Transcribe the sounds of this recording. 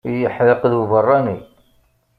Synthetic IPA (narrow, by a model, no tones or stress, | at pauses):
jəħləqðwəvərˤːɑni